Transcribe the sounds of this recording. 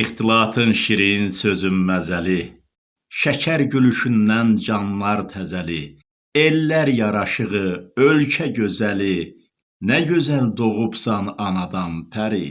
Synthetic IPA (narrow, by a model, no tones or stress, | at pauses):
iχt̪ʰilˠɑːt̪ʰɯnʃiɾinsø̞zymːæzæli | ʃæcʰæɾɟylyʃynːænd͡ʒɑnlɑɾt̪ʰæzæli | elːæɾjɑɾɑʃɯʁɯølcʰæɟø̞zæli | næɟø̞zæld̪oʁubsɑnɑnɑd̪ɑmpʰæɾi